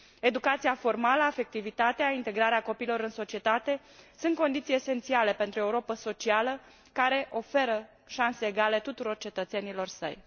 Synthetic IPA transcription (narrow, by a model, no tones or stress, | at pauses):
e̞d̪ukat̪siafo̞rmaləafe̞k̚t̪ivit̪at̪eaint̪e̞ɡɾaɾeako̞piːlo̞ɾɨnso̞t͡ʃie̞t̪at̪e̞ | sunt̪ko̞nd̪it̪sijese̞nt̪siale̞pe̞nt̪ɾue̞uɾo̞pəso̞t͡ʃialə | kaɾe̞ʔo̞fe̞ɾə | ʃanse̞ːɡale̞t̪ut̪uɾo̞rt͡ʃe̞t̪ət̪se̞nilo̞rsə̰j